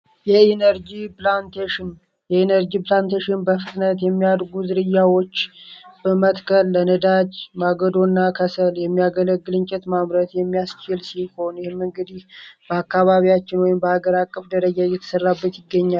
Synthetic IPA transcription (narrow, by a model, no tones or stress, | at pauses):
jɛenəɾd͡ʒiplant̪ʰeʃɪn | jɛenəɾd͡ʒiplant̪ʰeʃɪnbəfɨt̪nət̪jɛmːijad̪ɡuzɨɾɨjːawo̞t͡ʃːb̥əmət̪kʰəlːənəd̪ad͡ʒmaɡəd̪o̞nːakʰəsəljɛmːijaɡələɡːɨlɨɲt͡ʃʼɛt̪maβɾət̪jɛmːijast͡ʃɪlsiho̞njɪhmːɨŋɡɨd̪ihb̥əakːaβaβijat͡ʃːɪnwɔjɪmbəhaɡəɾakʼːəfd̪əɾəd͡ʒajɛt̪ʰə̥sərːabːət̪jɪɡːəɲːal